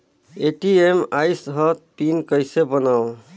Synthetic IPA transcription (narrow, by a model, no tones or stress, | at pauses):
eʈiemajsɦət̪̚pinkəjsebənaw